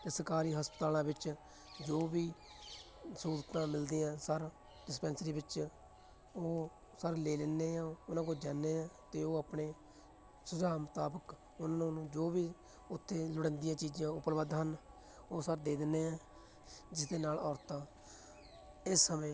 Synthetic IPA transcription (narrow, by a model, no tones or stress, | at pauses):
t̪eːsəɾkaːɾiːɦəspət̪aːlãːbɪt͡ʃ | d͡ʒoːbiː | suːɾt̪ãːmɪld̪ĩːãːsəɾ | ɖɪspɛ̃ːnsɾiːbɪt͡ʃ | oː | səɾleːleːneːãːʊnãːkoːd͡ʒaːnːeːãːt̪eːoːapɳeː | sʊzaːmʊt̪aːbək | ʊnãːnũːnũːd͡ʒoːbiː | ʊt̪ʰːeːlʊɽɛ̃ːnd̪ijãːt͡ʃiːd͡ʒãːʊpəlʋəd̪ɦən | oːsəɾd̪eːd̪ɪnːeːɛ̃ː | d͡ʒɪsd̪eːnaːlɔːɾt̪ãː | ɪsːəmẽː